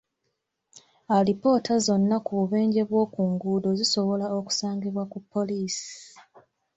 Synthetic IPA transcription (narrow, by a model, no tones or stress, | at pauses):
alipo̞ːtʰazo̞nːakuβuβe̞ːɲɟe̞βwo̞ːkuːŋɡuːdo̞ziso̞βo̞laoku̥saːŋɡiβwakupːo̞liːsi̥